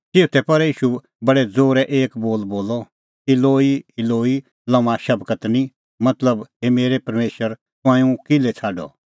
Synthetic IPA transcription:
t̪ɪut̪ʰɛpɐɾiːʃu | bɐɽɛd͡zoːɾɛʔeːkboːlboːlɔ | ɪloːiɪloːi | lɐ̃ʋ̃ãʃɐbkət̪nĩ | mɐt̪ləbɦemeːɾepɐɾmeːʃəɾ | t̪ʊãːĩũkɪlɛt͡sʰaːɖɔ̰

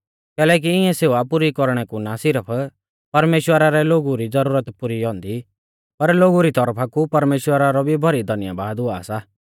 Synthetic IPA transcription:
kɛːlɛːk̬iɪ̃ɛ̃seːuapʊɾikɔɾɽ̃ɛkunaːsɪɾəpʰ | pɐɾmeːʃwəɾaɾɛloːɡuɾid͡zɐɾuːɾət̪pʊɾiɦɔ̃ːnd̪i | pɐɾloːɡuɾit̪ɔɾpʰakupɐɾmeːʃwəɾaɾɔbʱibʱɐɾid̪ʱɐnɪja̰baːd̪ɦʊa̰ːsa

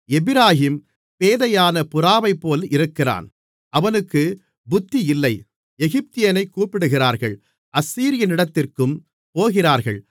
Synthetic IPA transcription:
ɛbɪɾaːɦiːm | peːðɐjaːnɐpʊɾaːʋɐɪpːoːlʔɪɾɯkːɪra̰ːn | ʔɐʋɐnɯkːɯ | bʊt̪ːiɪlːɐɪ | ɛɣɪp̚t̪ɪjɐnɐɪkːuːpɪɽɯɣɪraːɾɣɐɭ | ʔɐsːiːɾɪjɐnɪɽɐt̪ːɪrkɯm | poːɣɪraːɾɣɐ̰ɭ

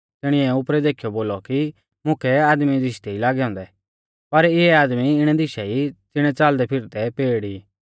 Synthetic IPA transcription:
t̪ɪɽ̃ɪ̃ɛʊpɾɛd̪eːkʰijɔboːlɔki | mʊ̃kʰɛaːd̪mid̪ɪʃt̪ɛilaːɡɛɔ̃ːnd̪ɛ | pɐɾɪɛaːd̪miɪɽ̃ɛd̪ɪʃɛit͡sɪɽ̃ɛ̃t͡saːld̪ɛpʰɪɾt̪ɛpeːɽiː

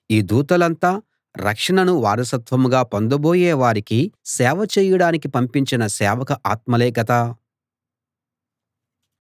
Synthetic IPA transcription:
iːd̪uːt̪ɐlɐnt̪aː | ɾɐ̰kʂɐɳɐnuʋaːɾɐsɐt̪ʋɐmɡaːpond̪ɐboːjɛːʋaːɾikisɛːʋɐt͡ʃɛːjɐɽaːnikipɐmpiɲt͡ʃinɐsɛːʋɐkɐʔaːt̪mɐlɛːkɐt̪ɐ

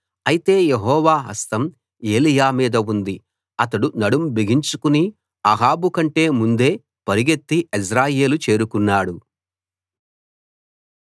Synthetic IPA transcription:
ɐjit̪e̞ːjeɦɔːʋaːɦɐ̰st̪ɐm | e̞ːlijaːmiːd̪ɐund̪i | ɐt̪ɐɽunɐɽumbiɡiɲt͡ʃukuni | ɐɦaːbukɐɳʈe̞ːmund̪e̞ː | pɐɾiɡe̞t̪ːiʔis̬ɾaːje̞ːlut͡ʃe̞ːɾukunːaːɽu

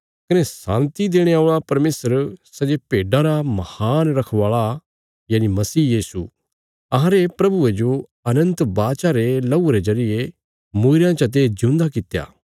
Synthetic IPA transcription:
kɐnesã̰ːnt̪id̪eːɽ̃eaːoɭapɐɾmeːsəɾsɐd͡ʒepeːɖaɾamɐhaːnɾɐkʰʋaːɭa | jaːnimɐsiːjiːsu | ɐɦãɾepɾɐbued͡ʒo | ɐnə̃nt̪baːt͡ʃaɾelɐuɾezɐɾɪje | moːɪɾjãt͡ʃɐt̪̬eːd͡ʒʊ̃ːnd̪akɪt̪ja̰ː

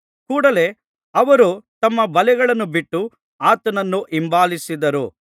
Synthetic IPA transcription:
kuːɽɐle̞ | ɐʋɐɾut̪ɐmːɐbɐlɛɡɐɭɐnːubiʈːu | aːt̪ɐnɐnːuʔimbaːlisid̪ɐɾṵ

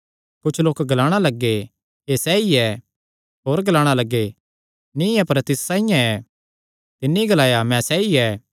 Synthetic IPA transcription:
kʊt͡ʃʰloːkɡɐlaːɽ̃alɐɡːe | esɛːiɛ | ɦoːɾɡɐlaːɽ̃alɐɡːe | nĩapɐɾt̪ɪssãːɪ̃jãɛ | t̪ɪnːiɡɐlaːjamɛ̃sɛːiɛː

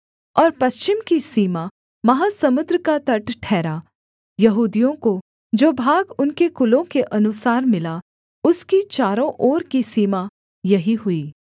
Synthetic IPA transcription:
ɔːɾpɐst͡ʃɪmkisiːma | mɐɦasɐmʊd̪ɾəkat̪ɐʈʈʰɛːɾaː | jɐɦuːd̪ijõko | d͡ʒoːbʱaːɡʊnkekʊlõkeʔɐnʊsaːɾmɪla | ʊskit͡ʃaːɾõʔɔːɾkisiːma | jɐɦiɦʊiː

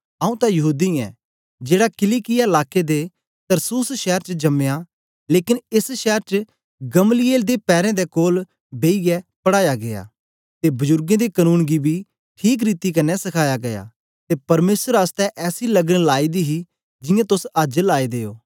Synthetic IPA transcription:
aːũt̪ãjɐɦuːd̪iɛ̰ː | d͡ʒeːɽakɪlikɪjaɪlaːked̪e | t̪ɐɾsuːsʃɛːɾt͡ʃd͡ʒɐmeja | leːkɪnɪsʃɛːɾt͡ʃə | ɡɐmlɪeːld̪epɛːɾɛ̃d̪ekoːl | beːijɛpɐɽaːjaɡeja̰ː | t̪ebʊzʊɾɡẽd̪ekənuːnɡibʱi | ʈʰiːk̬ɾiːt̪ikɐnːɛsɐkʰaːjaɡɐja̰ː | t̪epɐɾmeːsəɾast̪ɛʔɛːsilɐɡənlaːid̪iɦi | d͡ʒɪjãt̪ʊsəd͡ʒlaːid̪eːoː

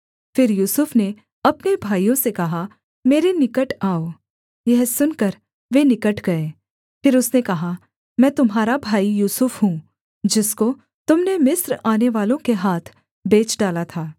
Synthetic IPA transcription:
fɪɾjuːsʊfne | ɐpnebʱaːijõsekɐɦa | meːɾenɪkəʈaːoː | jɛɦsʊnkɐɾ | ʋenɪkəʈʰɡɐeː | fɪɾʊsnekɐɦa | mɛ̃ːt̪ʊmɦaːɾabʱaːijuːsʊfɦũ | d͡ʒɪsko | t̪ʊmnemɪsɾaːneʋaːlõkeɦaːt̪ʰ | beːt͡ʃɖaːlat̪ʰaː

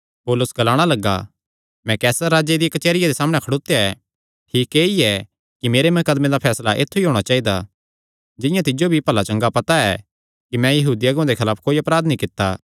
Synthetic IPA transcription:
poːlʊsɡɐlaːɽ̃alɐɡːa̰ | mɛ̃kɛːsəɾːaːd͡ʒed̪ijɐkɐt͡ʃeːɾɪjad̪esaːməɽ̃ɛkʰɐɽoːt̪ejaɛ | ʈʰiːkeːiɛ | kimeːɾemɐkəd̪med̪apʰɛːslaʔḛːt̪ʰːuiɦoːɽ̃at͡ʃaːid̪a̰ | d͡ʒɪ̃jãt̪ɪd͡ʒobʱipɐlat͡ʃɐ̃ŋɡapɐt̪aɛ | kimɛ̃jɐɦuːd̪iɐɡmãd̪ekʰɐlaːpʰkoːiɐpɾaːd̪nĩkɪt̪ːa̰

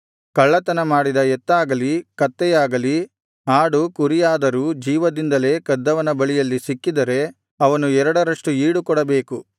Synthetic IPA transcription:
kɐɭːɐt̪ɐnɐmaːɽid̪ɐɛt̪ːaːɡɐlikɐt̪ːɛjaːɡɐli | aːɽukuɾijaːd̪ɐɾuːd͡ʒiːʋɐd̪ind̪ɐle̞ːkɐd̪ːɐʋɐnɐbɐɭijɐlːisikːid̪ɐɾe̞ | ɐʋɐnuɛɾɐɽɐɾɐʂʈuiːɽukɔɽɐbe̞ːku

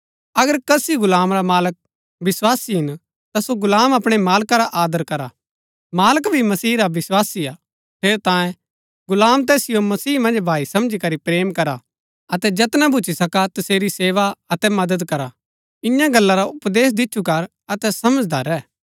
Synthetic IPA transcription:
ɐɡəɾkɐsiɡʊlaːmɾamaːlək̚ | bɪswaːsiɦɪn | t̪asoɡʊlaːmɐpɽ̃emaːlkaɾaʔaːd̪əɾkɐɾa | maːləkbʱimɐsiːɾaʋɪswaːsia̰ | pʰeːɾt̪ãːjẽ | ɡʊlaːmt̪̬ɛːsɪjomɐsiːmɐ̃nd͡ʒbʱaːisɐ̃md͡ʒikɐɾipɾeːmkɐɾa | ɐt̪ɛd͡ʒɐt̪nabʱʊt͡ʃʰisɐkat̪ɐseːɾiseːʋaɐt̪ɛmɐd̪əd̪kɐɾa | ɪ̃jãɡɐlːaɾaʊpd̪eːs̬d̪ɪtːʃʰukɐɾ | ɐt̪ɛsɐməd͡ʒd̪ʱɐɾɛː

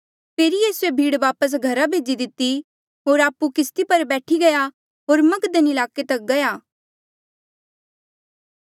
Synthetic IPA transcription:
pʰeːɾijiːsuebʱiːɽʋaːpəs̬ɡʱɐɾabʱeːd͡ʒid̪ɪt̪ːi | ɦoːɾaːpːukɪst̪ipɐɾbɛːʈʰiɡɐja | ɦoːɾmɐkd̪ənɪlaːket̪ɐk̚ɡɐjaː

